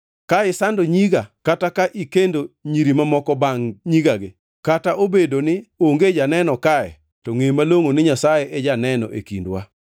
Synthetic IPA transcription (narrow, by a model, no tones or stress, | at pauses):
kaɪsandoɲiɡakatakaʔikendoɲiɾimamɔkɔbaŋɲiɡaɡɪ | kataʔobedonɪoŋɡed͡ʒanɛnɔkaɛ̰ | tɔŋemaloŋonɪɲasajeʔɛd͡ʒanɛnɔ̰ʔḛkḭndwa